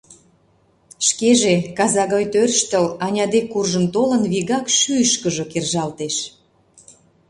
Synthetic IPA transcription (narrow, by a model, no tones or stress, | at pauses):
ʃkeʒekɑzɑɣɑjt̪ørʃt̪ə̆lɑnʲɑd̪ekːurʒəmt̪olə̆nβiɣɑkʃyəʃkəʒokerʒɑlt̪eʃ